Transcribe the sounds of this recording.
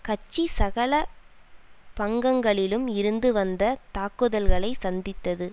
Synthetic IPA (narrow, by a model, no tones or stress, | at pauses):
kɐt͡ʃːisɐɣɐɭɐ | pɐŋɡɐŋɡɐɭɪlɯmɪɾɯnd̪ɯʋɐnd̪ɐt̪aːkɯðɐlɣɐɭɐɪsɐnd̪ɪt̪ːɐðɯ